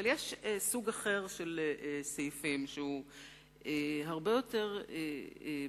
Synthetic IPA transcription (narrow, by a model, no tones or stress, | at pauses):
aljeʃesuɡaχeʁʃelesejfimʃeu | eɦaʁbe̞jo̞te̞ʁe